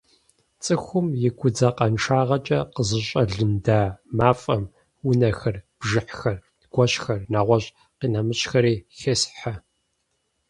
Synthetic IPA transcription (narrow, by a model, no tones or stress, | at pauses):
t͡sʼɨxʷʊmjɪɡʷʰʊd͡zɐqɐnʂʰaːʁɐt͡ʃʼɐqəzɨɕʼɐɮɨndaːmaːfʼɐm | wʊnɐxɐrb̥ʒɨħxɐr | ɡ̥ʷɔɕxɐrnaːʁʷɔɕʼ | qiːnɐmɨɕʼxɐɾiːxesħa